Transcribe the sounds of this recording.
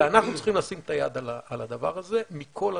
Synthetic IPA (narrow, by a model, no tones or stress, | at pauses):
anaχnutt͡si̥χimlasimet̪ajad̪alaalad̪ava̰ʁaze̞mikʰo̞la